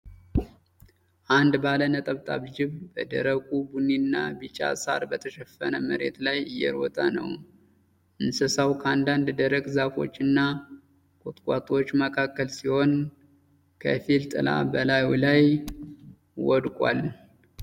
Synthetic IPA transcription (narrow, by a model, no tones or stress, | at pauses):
ʔand̪balənət̪ʼəβt̪ʼa̰βd͡ʒɪβbəd̪əɾəkʼubuninːabɨt͡ʃʼa̰sa̰ɾbət̪ʰəʃɛfːənəməɾe̞t̪lajɨjːɛ̰ɾwɔ̰t̪ʼanə̰w | ʔɨnsɨsawkʰəand̪and̪d̪əɾəkʼzafo̞̰t͡ʃːɨnːa | kʼot̪ʼkʷʼat̪ʼot͡ʃːməkʰakːəlsiho̞n | kʰəfilt̪ʼɨla̰bəlajulaj | wɔd̪kʼʷal